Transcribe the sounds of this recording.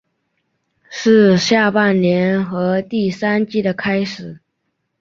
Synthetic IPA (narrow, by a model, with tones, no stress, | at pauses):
ʂɻ̩˥˧ɕja˥˧pa˥˩nnjɛ˧˥nxɤ˧˥t̪i˥˩sa˥nt͡ɕi˥d̪ə˨kʰa˥ɪʂɻ̩˨˩˦